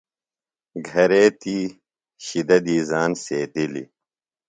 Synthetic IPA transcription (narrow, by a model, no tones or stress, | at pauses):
ɡʱɐɾeːt̪iː | ɕid̪ɐd̪iːzaːnseːt̪ilḭ